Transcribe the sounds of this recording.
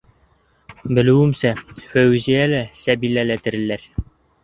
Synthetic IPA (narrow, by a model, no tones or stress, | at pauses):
bɘ̆lɘ̆wɘ̆msæfæwɘzijælæsæbilælæt̪ɘ̆ɾɘ̆lːæɾ